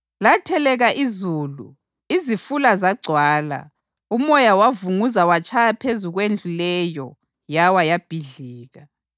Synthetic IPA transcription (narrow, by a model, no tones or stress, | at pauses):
latʰɛlɛɣaʔizuːlṵ | izifulazaɡ͡ǀʱwaːla̰ | umɔjawavuŋuzawat͡ʃʰʼajapʰezuɣwend͡ɮʱulɛjɔ | jawajab̥ʱiɮiːɣa